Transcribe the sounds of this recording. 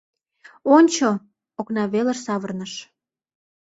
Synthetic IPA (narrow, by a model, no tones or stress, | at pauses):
onʲt͡ɕo | oknɑβelə̆ʃsɑβərnəʃ